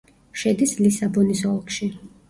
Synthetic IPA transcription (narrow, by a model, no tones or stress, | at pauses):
ʃɛd̪islisabɔnisɔlˠkʃi